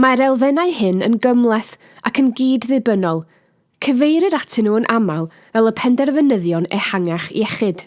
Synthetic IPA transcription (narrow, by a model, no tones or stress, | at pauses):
maɾɛlˠvɛnaɨhɨnə̰nɡəmlˠɛθ | akʰənɡiːdðɨbənɔlˠ | kʰəvejɾəɾatʰɪnuːənʔamalˠ | vɛlˠəpʰɛndɛrvənəðjɔnɛ̰haŋaχḭɛχɨd̥